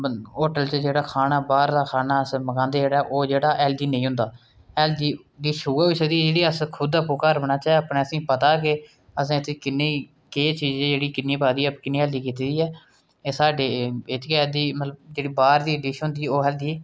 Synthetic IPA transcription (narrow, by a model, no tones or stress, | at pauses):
oːʈəlt͡ʃəd͡ʒeːɽaːkʰaːnaːbaːɾd̪aːkʰaːnaːəsməɡãːnd̪eːd͡ʒeːɽaːɛʔoːd͡ʒeːɽaːʔɛːld̪iːnə̃ĩːɦʊ̃nd̪aː | ɛːld͡ʒiː | d̪iːʃʊːaːiːsəd̪iːɛd͡ʒeːɽiːəskʰʊd̪əpoːkəɾbənaːt͡ʃaapnẽːəsĩːpət̪aːkɪ | əs̬ãːɪt̪ʰekɪnːeː | keːt͡ʃiːd͡ʒẽːd͡ʒeːɽiːkɪnːiːpaːd̪iːɛpːkɪnːeːɛːld̪iːkiːt̪iːd̪iːɛː | eːsaːɖeːet̪ʰekɛːld̪iːmət̪ləbd͡ʒeːɽiːbaːɾd̪iːd̪iːʃɦʊ̃nd̪iːoːɛːld̪iː